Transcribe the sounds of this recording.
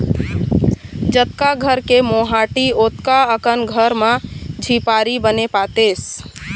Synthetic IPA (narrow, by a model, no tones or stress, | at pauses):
d͡ʒət̪̚kaɡʱəɾkemoɦaʈiot̪kaəkənɡʱəɾmãd͡ʒʱipaɾibənepat̪es